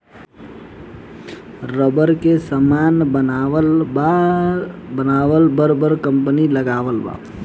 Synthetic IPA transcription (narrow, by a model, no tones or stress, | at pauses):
ɾəbəɾkesəmaːnbənaəa | bənaːwəlbəɾbəɾkə̃mpəniləɡaːʋəlba̰ː